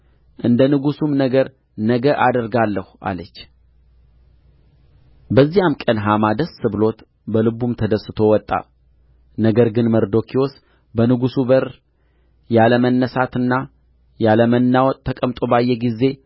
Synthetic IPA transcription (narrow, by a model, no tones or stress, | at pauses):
ʔɨnd̪ənɨɡusumnəɡəɾ | nəɡəʔad̪əɾɡalːəhuʔa̰lət͡ʃː | bəzːijamkʼənɦamad̪əsːɨβlo̞t̪ | bəlɨbumt̪ʰəd̪əsɨt̪ʰo̞wɔt̪ʼːa̰ | nəɡəɾɡɨnməɾd̪o̞kʰiwɔs | bənɨɡusubəɾ | jaləmənːəsat̪ɨnːa | jaləmənːawɔt̪ʼt̪ʰːəkʼəmt̪ʼo̞bajːɛɡizːe̞